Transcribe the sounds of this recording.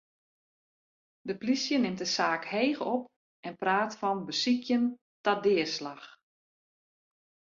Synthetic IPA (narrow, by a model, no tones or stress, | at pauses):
dəplisjənɪmt̚dəsaːkheːxɔp | ɛnpraːtfɔnbəsikʰjən | tadɪəslax